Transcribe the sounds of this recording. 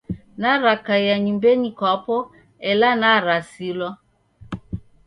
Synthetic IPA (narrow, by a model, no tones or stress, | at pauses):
naɾakajaɲimbɛɲikɔpɔ | ɛlanaɾasilwa